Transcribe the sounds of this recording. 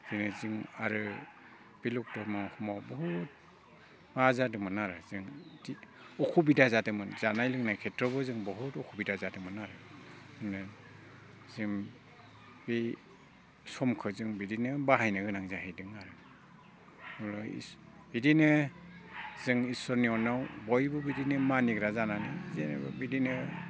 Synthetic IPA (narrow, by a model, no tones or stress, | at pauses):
z̥inɯzɯŋaɾɯ | b̥iluk̚tɔmaŋɔkʰɔmawbɔɦut̚ | mazadɯmɯnaɾɯzɯŋdi | ɔkʰubidazadɯmɯnzanajlɯŋnajkʰetɾɔβɯzɯŋbɔɦutɔkʰubidazadɯmɯnaɾɯɯŋnɯ | zɯŋ | bi | sɔmkʰɯzɯŋbidinɯbaɦajnɯɡɯnaŋzaɦhijdɯŋaɾɯ | ɾɔḭ | bidinɯ | z̥ɯŋisɔɾniɔnawbɔjbɯbidinɯmaniɡɾazananizen̰bidinɯ